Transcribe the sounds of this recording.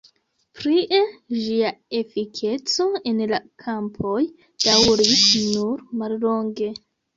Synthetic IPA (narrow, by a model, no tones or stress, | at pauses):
pɾiʔed͡ʒiae̞fikʰe̞t͡so̞e̞nlakʰampʰo̞j | d̥awɾisnuɾmallo̞ŋɡe̞